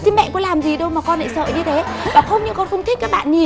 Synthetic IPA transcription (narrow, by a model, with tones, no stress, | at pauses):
si˧mɛ̰˧˨nkʊ̰˧˥laː˨˩mzi˨˩ɗə˧wmaː˨˩kɔ˧nʔa̰˧˥jsə̰ː˧˨jɲɨ˧t̪ʰe˨˦vaː˨˩xə˧wŋ͡mɲɨ̰˧˥kɔ˧nxə˧wŋ͡mt̪ʰi̟˦˥kaː˦˥k̚ɓa̰ː˧˨nɲi˨˩